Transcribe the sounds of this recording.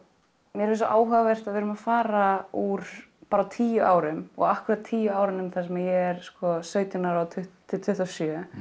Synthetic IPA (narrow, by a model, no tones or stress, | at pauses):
mjɛɾvɛsɔʔaːwɦœɣavɛr̥t̪aðvɪɾʏmafaːɾauɾ̥paːɾat̪ʰiːjʏʔaːwɾʏmɔ̰ɣahkɪɾat̪̚t̪ʰiːjʏaːwɾɪnʏmθasɛmajɛɛɾ̥skɔsœːɥt̪ɪnaɾawt̪ʰʏht̪ʰːɪt̪ʰʏht̪awsjœ